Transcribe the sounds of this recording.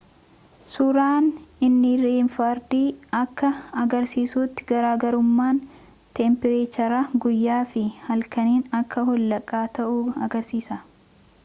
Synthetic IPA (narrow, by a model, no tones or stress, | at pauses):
suːɾaːnɪnːɪɾeːnfaːɾd̪iːɐkːɐɐɡɐɾsiːsuːt̪ːɪ̥ɡɐɾaːɡɐɾʊmːaːn | t̪ɛmpɪɾeːt͡ʃɐɾaɡʊjːaːfɪhɐlkɐniːnɐkːɐhɔlːɐkʼːaːt̪ɐʔuːɐɡɐɾsiːsɐ